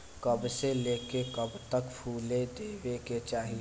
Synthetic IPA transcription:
kɐbseleːkekəbt̪əkpʰuːled̪eːweːket͡ʃaːɦi

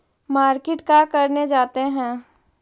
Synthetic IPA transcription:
maːɾkɪʈkakɐɾned͡ʒaːt̪eɦɛ̃ː

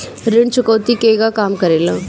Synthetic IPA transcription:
ɾɪɳt͡ʃʊkəːt̪ikeːɡakaːmkɐɾeːlã

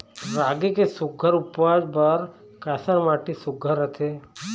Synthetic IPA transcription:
ɾaːɡekesʊɡʱəɾʊpʋad͡ʒbəɾ | kaːsəɾmaːʈisʊɡʱəɾət̪ʰe

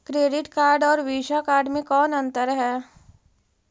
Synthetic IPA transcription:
kɾeːɖɪʈkaːɾɖɔːɾʋiːʃakaːɾɖmẽkɔːnɐ̃nt̪əɾɦɛː

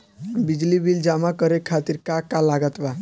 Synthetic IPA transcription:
bid͡ʒlibild͡ʒamakəɾekʰat̪iɾkakalaɡət̪ba

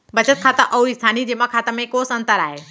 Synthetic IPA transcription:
bət͡ʃət̪̚kʰaːt̪əʔɐuɪst̪ʰaːnid͡ʒemakʰaːt̪əmẽkosə̃nt̪əɾa̰ːɦe

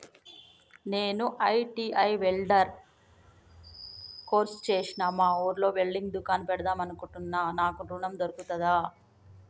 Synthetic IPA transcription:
ne̞ːnuʔɐjʈiːʔɐjʋeɭɖɐɾ | ko̞ːɾst͡ʃeːsinaːmaːoːɾlo̞ːʋeɭɖiŋɡd̪ukaːnpɛɽɐd̪aːmɐnukuɳʈunːaːnaːkuɾuɳɐmd̪oɾukut̪ɐd̪aː

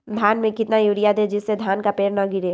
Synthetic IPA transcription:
d̪ʱjaːnmẽkɪt̪najuɾijad̪ed͡ʒɪsːed̪ʱaːnkapeːɾnɐɡɪɾe

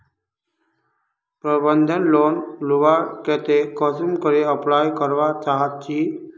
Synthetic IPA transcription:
pɾəbənd̪ʱənlonluʋaket̪ekɔsimkəɾeəplajkəɾʋat͡saɦat̪̚t͡ɕiː

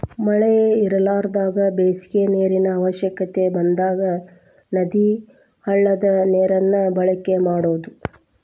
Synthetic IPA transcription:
mɐɭɛjeiɾɐlaːɾd̪aːɡɐbeːskeneːɾinɐːʋɐʃjɐkɐt̪e̞bɐnd̪aːɡɐ | nɐd̪i | hɐɭːɐd̪ɐneːɾɐnːɐbɐɭɐkːe̞maːɽoːd̪u

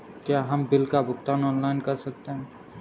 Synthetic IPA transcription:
kjaːɦɐmbɪlkabʱʊkt̪aːnɔːnlaːɪnkɐɾsɐk̚t̪eɦɛ̃ː

